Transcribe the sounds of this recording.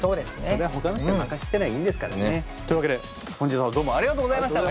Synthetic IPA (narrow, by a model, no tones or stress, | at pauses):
so̞ːd̪e̞sɨnseoɾe̞aɦo̞kanoçit̪makaɕi̥t̪ːe̞naiĩnd̪e̞sɨ̥ka̰ɾa̰ne | t̪oɯ̟βaked̪e | hõɲd͡ʑisãmd̪oːmõaɾiɣat̪oːɡozaimaɕt̪a